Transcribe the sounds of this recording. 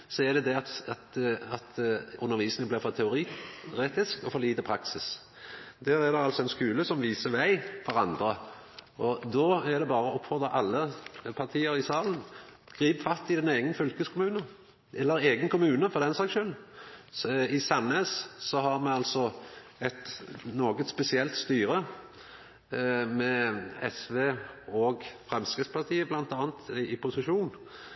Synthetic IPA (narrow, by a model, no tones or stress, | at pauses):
sɔɛd̪ɛd̪ɛɑt̪ɑt̪ɑt̪ʉnːəɾʋiːsnɪŋəblɪɾfɔt̪ʰɛʊɾiːʁeːt̪ɪskɔfɔʁliːt̪əpʰɾɑksɪs | d̪̥æːɾæd̪ɛɑlsɔɛnskʉːləsɔmʋiːsəʋæɪfɔʁɑnd̪ɾə | ʔɔd̪oːæʁd̪ɛbɑːʁəɔphɔd̪əɾʔɑlːəpʰɑʁt̪ʰiːəɾɪsɑːlən | ɡ̥ɾiːpfɑt̪ːɪd̪ɛneːɡənfʏlkəskʰʊmʉːnə | ʔɛlːəɾeːɡənkʰʊmʉːnəfɔd̪ɛnsɑːkʃœl | ɪsɑneːssɔɦɑɾmɛɑlt̪sɔɛt̪noːɡət̪spɛsɪɛlt̪st̪yːɾə | mɛɛsʋeːɔɡfʁɛmskʁɪt̪spɑʁt̪ʰiːəblɑnt̪ɑːənt̪ɪpʰʊsɪʃuːn